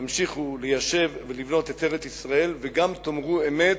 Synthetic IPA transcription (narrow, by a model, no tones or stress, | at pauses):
amʃiχulejaʃe̞vvelivno̞t̪et̪eʁet̪isʁae̞lveɡamt̪o̞mʁueme̞t